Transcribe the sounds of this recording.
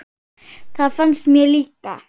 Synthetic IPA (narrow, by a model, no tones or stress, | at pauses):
t̪ʰafansmelit̪a